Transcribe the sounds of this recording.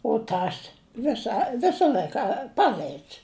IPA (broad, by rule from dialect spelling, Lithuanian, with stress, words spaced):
ʊ ˈtɐs ˈʋʲɪsɐ ˈʋʲɪsɐ ˈlʲɐɪkɐ ˈpɑːlʲɐɪts